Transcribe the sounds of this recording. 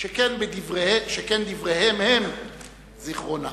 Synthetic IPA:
ʃekenbed̪ivʁeheʃekend̪ivʁehemhem | ziχʁona̰

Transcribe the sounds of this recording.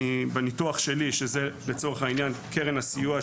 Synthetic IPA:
ibenituaχʃe̞liʃezele̞t͡so̞ʁeχainjankʰeʁenasijua

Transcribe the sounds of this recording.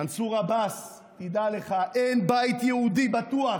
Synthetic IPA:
ansuʁabas | tid̪aleχaʔenbajt̪jɛud̪ibat̪ua

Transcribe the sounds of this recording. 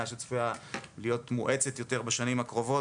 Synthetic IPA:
aʃet͡sfujalijo̞tmuʔe̞t͡setjo̞te̞ʁbeʃanimakʁo̞vo̞

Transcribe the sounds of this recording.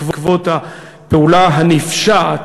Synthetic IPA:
vkvot̪ha | peulaɦanifʃat

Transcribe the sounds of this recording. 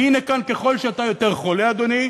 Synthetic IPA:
hinekanke̞χo̞lʃeat̪ajo̞t̪e̞ʁχo̞lead̪o̞ni

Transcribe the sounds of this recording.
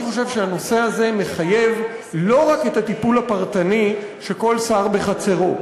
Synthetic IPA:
χo̞ʃe̞vʃeano̞se̞aze̞me̞χaje̞v | lo̞ʁake̞t̪at̪ipulapaʁt̪ani | ʃe̞ko̞lsaʁbe̞χat͡se̞ʁo̞

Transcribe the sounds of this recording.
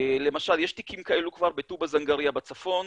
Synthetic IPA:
le̞maʃaljeʃt̪ikʰimkae̞lukvaʁbetubazaŋɡaʁiabat͡safo̞n

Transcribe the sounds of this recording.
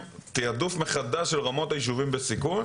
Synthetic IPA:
t̪eadufmeχad̪aʃelʁamo̞t̪ajiʃ̬uvimbesikuj

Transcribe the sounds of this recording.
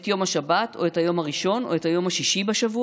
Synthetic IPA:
tjo̞maʃabato̞ethajo̞maʁiʃo̞no̞̰ethajo̞mhaʃiʃibeʃavu

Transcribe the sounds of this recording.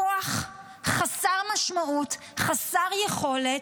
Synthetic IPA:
oaχ | χasaʁmaʃmaʔut | χasaʁjeχo̞le

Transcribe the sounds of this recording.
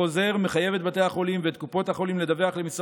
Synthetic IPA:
o̞ze̞ʁmeχaje̞vet̪bat̪e̞jhaχo̞limveet̪̚kupo̞thaχo̞limled̪aveaχlemisʁ

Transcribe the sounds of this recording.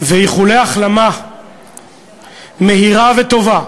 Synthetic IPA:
vejiχuleaχlama | me̞ɦiʁavet̪o̞va

